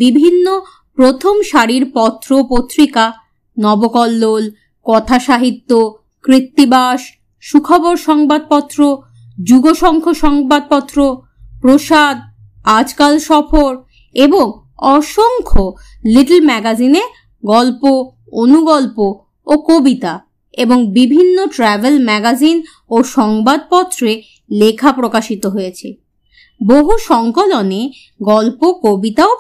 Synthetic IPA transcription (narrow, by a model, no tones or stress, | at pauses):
bibʱinːo | pɾot̪ʰomʃaɾiɾpɔt̪ːɾopot̪ːɾika | nɔbokɔlːol | kɔt̪ʰaʃaɦit̪ːo | kɾit̪ːibaʃ | ʃukʰɔboɾʃɔŋbad̪̚pɔt̪ːɾo | d͡ʑuɡoʃɔŋkʰoʃɔŋbad̪̚pɔt̪ːɾo | pɾoʃad̪̚ | ad͡ʑkalʃɔfoɾ | eboŋ | ɔʃoŋkʰo | liʈelmɛɡazine | ɡɔlpo | onuɡɔlpo | okobit̪a | eboŋbibʱinːoʈɾɛbelmɛɡazin | oʃɔŋbad̪̚pɔt̪ːɾe | lekʰapɾokaʃit̪oɦojet͡ɕʰḛ | boɦuʃɔŋkolone | ɡɔlpokobit̪ao